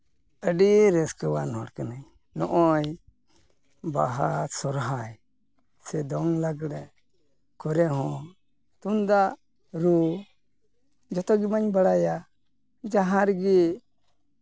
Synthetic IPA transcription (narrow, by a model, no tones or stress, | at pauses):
əɖiɾɛskəwanɦɔɽkanaj | nɔʔɔj | baɦat̪sɔɾɦaj | sɛd̪ɔŋlaɡɽɛ | kɔɾɛɦɔ̃ | t̪und̪aʔ | ɾu | d͡ʒɔt̪ɔɡimaɲbaɽaja | d͡ʒaɦãɾɡi